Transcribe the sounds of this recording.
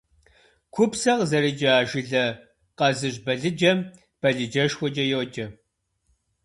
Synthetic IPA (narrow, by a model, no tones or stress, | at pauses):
kʷʰʊpsɐʁzɐɾid͡ʒʼɐaːʒɪɮɐ | qɐzɨɕbɐɮɨd͡ʒɐm | b̥ɐɮɨd͡ʒɐʃxʷɔd͡ʒʼɐjowːd͡ʒɐ